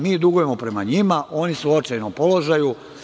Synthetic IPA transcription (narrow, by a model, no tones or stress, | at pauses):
miːd̪uɡuje̞mo̞pɾe̞maɲimaʔo̞nisuot͡ʃajnopo̞lo̞ʒaju